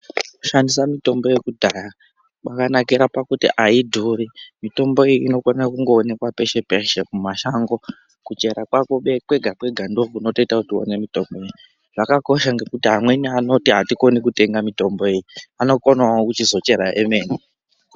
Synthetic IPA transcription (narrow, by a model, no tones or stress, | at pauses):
ku̥ʃandisamito̞mbo̞je̞kudʱaːja | ɓakanakiɾapakutḭʔaidʱurimito̞mbo̞ijiino̞konakuŋɡo̞ːne̞kwape̞ʃe̞peʃemumaʃaŋɡo̞ | kut͡ʃe̞ɾakwako̞ɓe̞kwe̞ɡʱakwe̞ɡʱando̞kuno̞to̞itakutio̰ne̞mito̞mbojeji | ʐ̥akako̞ʃaŋɡe̞kutiɦamwe̞niano̞tiɦatiko̞nikute̞ŋɡamito̞mbo̞e̞jiano̞konaakut͡ʃizo̞t͡ʃe̞ɾaʔeme̞ːni